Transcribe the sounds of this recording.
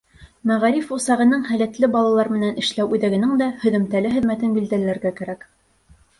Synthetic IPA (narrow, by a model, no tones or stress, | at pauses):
mæʁæɾifusɑʁɤ̆nɤɴhælæt̪lɘbɑlˠɑlˠɑɾmɘ̆nænɘ̆ʃlæwʉðæɡɘ̆nɘŋd̪æhɵ̆ðɘ̆mt̪ælɘɦɘ̆ðmæt̪ɘnbild̪ælɘ̆læɾɡækæɾæk